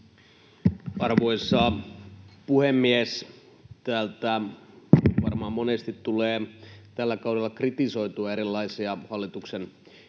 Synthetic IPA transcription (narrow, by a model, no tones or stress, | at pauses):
ɑrʋo̞isːɑ | puhemːies | t̪æːlt̪æ | ʋɑrmɑmmonest̪it̪tuleːt̪ælːækɑudelːɑkrit̪iso̞it̪uɑeɾilːɑisiɑhɑlːit̪uksen